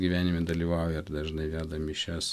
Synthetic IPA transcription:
ɡʲiːʋʲæːnʲɪmʲɛd̪ɐlʲiːʋɑʊjɛrd̪ɐʒnɐɪʋʲæːd̪ɐmʲɪʃʲɛs

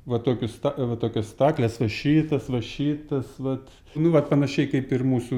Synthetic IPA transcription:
ʋɐt̪oːkʲʊst̪ɑʋɐt̪oːkʲoːst̪ɑːklʲeːsʋɐʃʲiːt̪ɐsʋɐʃʲiːt̪ɐsʋɐt̪ | nʊʋɐt̪pɐnɐʃʲɛɪkɐɪpɪrmuːsʊ

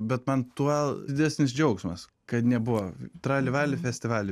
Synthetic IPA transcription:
bʲɛt̪mɐnt̪uɔld̪ʲɪd̪ʲæːsʲnʲɪsd͡ʒʲɛʊksmɐs | kɐt̪nʲɛbʊʋɐt̪ɾɑːlʲɪʋɑːlʲɪfʲɛsʲt̪ʲɪʋɑːlʲɪ

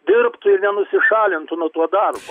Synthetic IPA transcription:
d̪ʲɪɾpt̪ʊɪɾnʲɛnʊsʲɪʃɑːlʲɪnt̪ʊnut̪uɔd̪ɐrbo

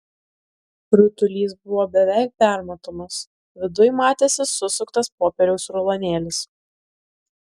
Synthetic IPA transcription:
ɾʲʊt̪ʊlʲiːs̬bʊʋoːbʲɛʋʲɛɪk̚pʲæˑɾmot̪oːmɐs | ʋʲɪd̪ʊjmɑːt̪ʲeːsʲɪsʊsʊkt̪ɐspoːpʲɛɾʲɛʊsɾɔlˠonʲeːlʲɪs

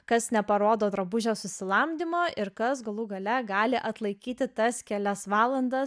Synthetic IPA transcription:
kɐsnʲɛpɐɾoːd̪oːd̪ɾɐbʊʒʲoːsʊsʲɪlˠɐmʲd̪ʲɪmoːʔɪɾkɐsɡɐlˠuɡɐlʲɛɡɑːlʲɪʔɐt̪lˠɐɪkʲiːt̪ʲɪt̪ɐskʲɛlʲɛsʋɑːlˠɐnd̪ɐs

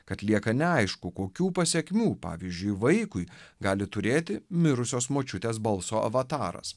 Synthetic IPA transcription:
kɐt̪lʲiɛkɐnʲɛɐɪʃkʊkoːkʲuːpɐsʲɛkʲmʲuːpɑ̰ːʋʲiːzʲd͡ʒʲʊɪʋɐɪkʊɪɡɑːlʲɪt̪ʊɾʲeːt̪ʲɪmʲɪɾʊsʲoːsmoːt͡ʃʲʊt̪ʲeːsbɐlˠsoːɐ̰ʋɐt̪ɑːɾɐ̰s

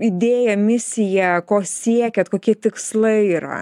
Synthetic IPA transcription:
ɪd̪ʲeːjɛmʲɪsʲɪjɛkoːsʲiɛkʲɛt̪̚koːkʲiɛt̪ʲɪkslˠɐɪiːɾɐ̰

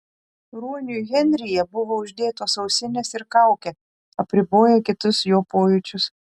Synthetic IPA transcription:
ɾuːnʲʊɣʲɛnʲɾʲɪjɛbʊʋoːʊʒʲd̪ʲeːt̪oːsɒʊsʲɪnʲeːsɪɾkɑˑʊkʲe | ɐpʲɾʲɪboːjɛkʲɪt̪ʊsjoːpoːjʊt͡ʃʲʊs

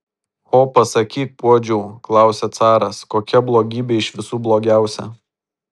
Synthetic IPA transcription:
oːpɐsɐkʲiːk̚puɔd͡ʒʲuːklˠɑˑʊsʲɛt̪sɑːɾɐskoːkʲɛblˠoːɡʲiːbʲeːɪʃʋʲɪsuːblˠoːɡʲæˑʊsʲɛ̰

